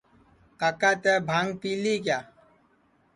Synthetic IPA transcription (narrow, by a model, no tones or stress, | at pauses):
kakaːt̪ɛːbʱaŋɡ̚piːlik̬jaː